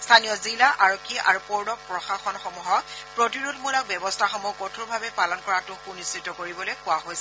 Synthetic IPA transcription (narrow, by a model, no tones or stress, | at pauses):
stʰanijɔzilaʔaɹɔkʰːiʔaɹupoɹdɔk̚pɹɔxaxɔnxɔmuɦɔk̚pɹotiɹudmulak̚bjɔbɔstʰaxɔmukːotʰuɹbʱabɛpalɔnkɔɹatʊxunisːitɔkoɹibɔlojkʊwaɦojsɛ